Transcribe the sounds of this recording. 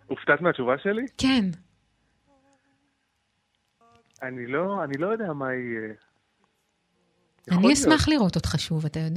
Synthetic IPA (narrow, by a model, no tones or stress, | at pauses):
uft̪at̪meat͡ʃuvaʃeliken | anilo̞anilojodeamai | aniesmaχliʁo̞totχaʃuvatajo̞d